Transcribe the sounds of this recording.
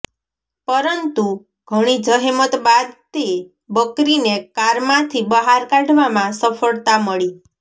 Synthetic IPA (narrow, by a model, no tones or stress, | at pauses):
pəɾənt̪u | ɡʱəɽ̃id͡ʒəɦemət̪bad̪̚t̪e | bəkɾinekaɾmãt̪ʰibəɦaɾkaɖʱʋamãsəfʰəɭt̪aməɭi